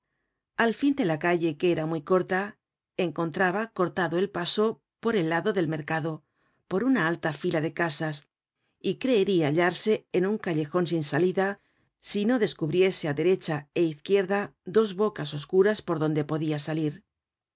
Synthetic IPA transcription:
alfind̪e̞lakaʎe̞keeɾamwujko̞ɾt̪a | eŋko̞nt̪ɾaβako̞ɾt̪aðo̞e̞lpaso̞ | po̞ɾe̞lːaðo̞ðe̞lme̞ɾkaðo̞ | po̞ɾunaalt̪afilaðe̞kasas | ikɾe̞ːɾiaʎaɾse̞ːnuŋkaʎe̞xo̞nsinsaliða | sino̞ðe̞skuβɾje̞se̞aðe̞ɾe̞t͡ʃaeiθkje̞ɾðaðo̞zβo̞kaso̞skuɾaspo̞ɾðo̞nd̪e̞po̞ðiasaliɾ

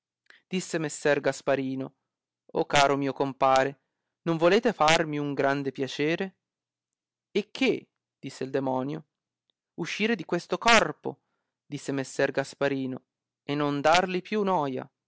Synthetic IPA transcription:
d̪̥isːemesːɛrɡaspaɾiːno | okːaːɾomiːokompaːɾe | noɱvoleːt̪efarmiuŋɡɾand̪epjat͡ʃeːɾe | ekʰːe | d̪̥isːeild̪emɔːnjo | uʃːiːɾed̪ikwest̪okɔrpo̰ | d̪isːemesːɛrɡaspaɾiːno | enːond̪arlipjunɔːja̰

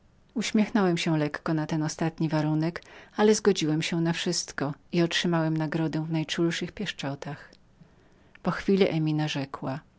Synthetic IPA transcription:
uɕmʲjɛxnɔwɛmɕɛlɛkːɔnat̪ɛnɔst̪at̪ɲivaɾunɛkalɛzɡɔd͡ʑiwɛmɕɛnafʂɘst̪kɔiɔtʂɘmawɛmnaɡɾɔd̪ɛ̃vnajt͡ʂulʂɘxpʲjɛʂt͡ʂɔt̪ax | pɔxfʲilɛʔɛmʲinaʐɛkwa

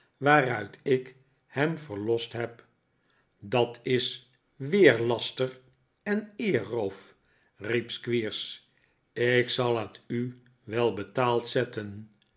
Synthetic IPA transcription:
ʋaːrœɥtʰɪk | hɛmvəɹlɔstɦɛp | dɑtɪs | ʋɪːɹlɑstər | ɛnɪːrowf | ripskʋiːɹs | ɪksɑlˠɦəty | ʋɛlˠbətaːlˠtsɛtən

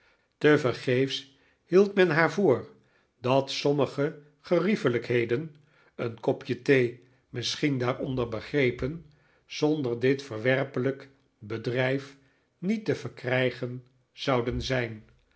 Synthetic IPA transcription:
təvəɹχejfs | hilˠtmɛnɦaːɹvʊːr | dɑtsɔməχə | χərifələkɦejdən | ənkɔpjətej | mɪsχindaːrɔndəɹbəχrejpən | z̥ɔndəɹdɪtfəɹʋɛrpələk | bədrɛjf | nitəv̥əɹkrɛjχən | z̥ɑwdənzɛjn

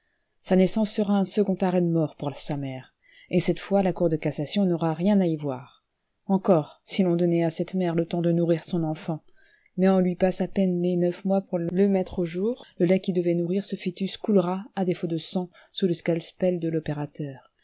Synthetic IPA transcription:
sanɛsɑ̃sːəʁaɛ̃səɡɔ̃t̪aʁɛd̪əmɔʁpuʁsamɛːʁ | esɛt̪fwalakuʁd̪əkasasjɔ̃nɔʁaʁjɛ̃naivwa̰ʁ | ɑ̃kɔʁsilɔ̃d̪ɔnɛasɛt̪mɛʁlət̪ɑ̃d̪ənuʁiʁsɔ̃nɑ̃fɑ̃ | mɛɔ̃lɥipasapɛnlenœfmwapuʁləmɛt̪χoʒuːʁləlɛkʲid̪əvɛnuʁiʁsəfit̪yskulʁaad̪efod̪əsɑ̃suləskalspɛld̪əlɔpeʁat̪œːʁ

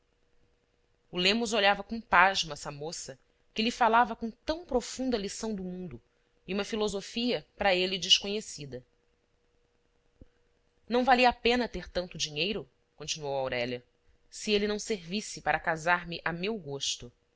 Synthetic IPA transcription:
ulẽmʊzoʎavɐkõũpaʒmɐsɐmosɐ | kɪlifalavɐkõt̪ɐ̃w̃pɾofũnd̪ɐlisɐ̃w̃d̪ʊmũnd̪ʊ | iũmɐfilozofiɐpɾɐelid͡ʒɪʃkoɲesid̪ɐ | nɐ̃w̃valiɐapẽnɐt̪eɾt̪ɐ̃nt̪ʊd͡ʒiɲejɾʊ | kõt͡ʃinuowawɾɛʎɐ | sielinɐ̃w̃seɾvisɪpaɾɐkazaɾmɪʔamewɡoʃt̪ʊ

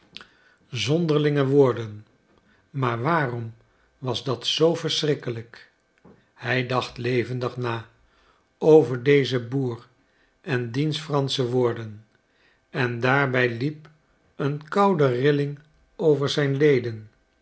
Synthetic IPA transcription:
zɔndəɹlɪŋəʋʊːɹdən | maːɹʋaːrɔm | ʋɑzdɑtsowvəɹsrɪkələk | hɛjdɑχtlejvəndəχnaː | owvəɹdejzəbuːr | ʔɛndinstfrɑnsəʋʊːɹdən | ɛndaːɹbɛjlip̚ | ənkɑwdərɪlɪŋ | owvəɹzɛjnlejdən

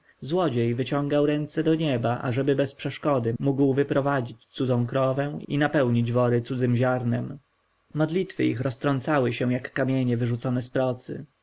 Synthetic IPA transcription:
zwɔd͡ʑejvɘt͡ɕɔ̃ŋɡawɾɛnt̪sɛd̪ɔɲɛbaʔa̰ʐɛbɘbɛspʂɛʂkɔd̪ɘmuɡwvɘpɾɔvad͡ʑit͡ɕt̪sud̪ɔ̃kɾɔvɛ̃ḭnapɛwɲid͡ʑvɔɾɘt̪sud̪zɘmʑaɾnɛm | mɔd̪lʲit̪fɘ̰ixɾɔst̪ɾɔnt̪sawɘɕɛ̃jakːamʲjeɲɛvɘʐut̪sɔnɛspɾɔt̪sɘ̰

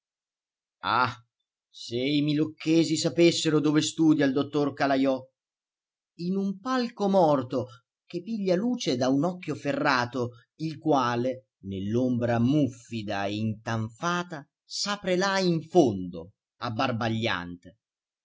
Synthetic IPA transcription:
a̰ | seimilokʰːɛːzisapesːeɾod̪oːvest̪uːd̪jaild̪ot̪ːorkalajɔ | inumpalkomɔrt̪o | k̟epiʎːaluːt͡ʃed̪aunɔkːjoferːaːt̪o | ilkwaːle | nelːombɾamufːid̪aeint̪aɱfaːt̪a | saːpɾelaiɱfond̪o̰ | abːarbaʎːa̰nt̪e

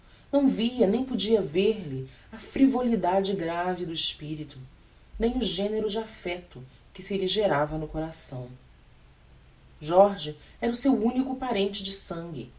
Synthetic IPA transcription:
nɐ̃w̃viɐnẽj̃pod͡ʒiɐveɾlɪ | ɐfɾivolid̪ad͡ʒɪɡɾavid̪ʊɪʃpiɾit̪ʊ | nẽj̃ʊʒẽneɾʊd͡ʒɪafɛt̪ʊ | kɪsiliʒeɾavɐnʊkoɾasɐ̃w̃ | ʒɔɾʒiɛɾɐʊsewũnikʊpaɾẽnt͡ʃɪd͡ʒɪsɐ̃ŋɡʲɪ

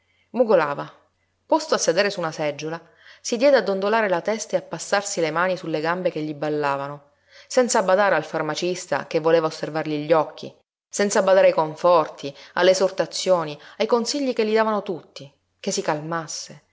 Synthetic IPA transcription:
muɡola̰ːva | pɔst̪oasːed̪eːɾesunasɛd͡ʒːola | sid̪jɛːd̪ead̪ːond̪olaːɾelat̪ɛst̪eapːasːarsilemaːnisulːeɡambekeʎːibalːaːvano | sɛnt̪sabad̪aːɾealfarmat͡ʃist̪a̰kevːoleːvaosːervarʎiʎːɔkʰːḭ | sɛnt̪sabad̪aːɾeajkoɱfɔrt̪ʰialːeːsort̪at̪sːjoːniajkonsiʎːikelːid̪aːvanot̪ut̪ːi | kesːikalmasːe

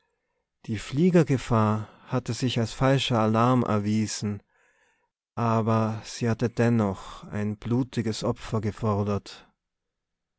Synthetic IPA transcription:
d̥iːfliːɡɐɡəfaːɐhatəzɪçalsfalʃɐalaɐmʔɛ̰ɐviːz̥n̩ | ʔaːbɐz̥iːhatəd̥ɛnɔχa̰ɪnb̥luːtɪɡəsʔɔpfɐɡəfɔɐdɐt

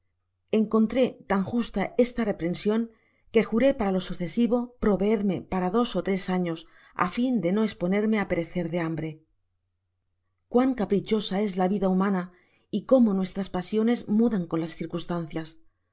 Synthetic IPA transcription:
e̞ŋko̞nt̪ɾe̞t̪aŋxust̪ae̞st̪are̞pɾe̞nsjo̞ŋ | ke̞xuɾe̞paɾalo̞suθe̞siβo̞pɾo̞βe̞eɾme̞paɾaðo̞so̞t̪ɾe̞saɲo̞s | a̰find̪e̞no̞espo̞ne̞ɾme̞ape̞ɾe̞θe̞ɾðe̞ambɾe̞ | kwaŋkapɾit͡ʃo̞sae̞zlaβiðaumãna | iko̞mo̞nwe̞st̪ɾaspasjo̞ne̞zmuðaŋko̞nlasθiɾkust̪an̟θjas

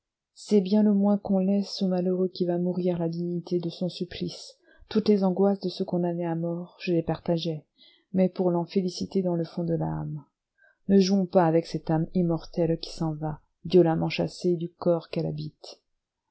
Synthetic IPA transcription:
sɛbjɛ̃ləmwɛ̃kɔ̃lɛsomaløʁøkʲivamuʁiʁlad̪iɲit̪ed̪əsɔ̃syplis | t̪ut̪lezɑ̃ɡwasd̪əsəkɔ̃d̪aneamɔʁʒ̥əlepaʁt̪aʒɛ | mɛpuʁlɑ̃felisit̪ed̪ɑ̃ləfɔ̃d̪əla̰ːm | nəʒuɔ̃paːvɛksɛt̪amimɔʁt̪ɛlkʲi̥sɑ̃va | vjɔlamɑ̃ʃased̪ykɔʁkɛla̰bit̪

